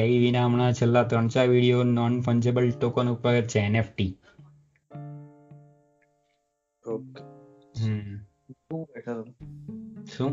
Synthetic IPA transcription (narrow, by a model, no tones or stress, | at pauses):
eiʋinaəmɳ̃at͡ʃʰelːat̪ɾəɳ̃t͡ʃaʋiɽijonɔnfʰəɲd͡ʒebəlʈokonupjəɡət̪t͡ʃʰeːnefʈi | o | ɦ | uʈʰə | ʃũ